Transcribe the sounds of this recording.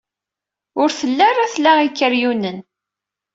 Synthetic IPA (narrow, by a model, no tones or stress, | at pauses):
ʊɾθəlːæɾæθlæʁikːəɾjunən